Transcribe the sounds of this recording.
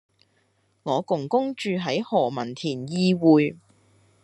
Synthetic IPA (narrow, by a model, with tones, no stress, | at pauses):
ŋɔː˨˧kʊ˨˩ŋkʊ˥ŋt͡ʃyː˨˧ɦɐ˨˥jhɔː˨˩mɐ˨˩nt̪ʰiː˨˩njiː˧wuː˨j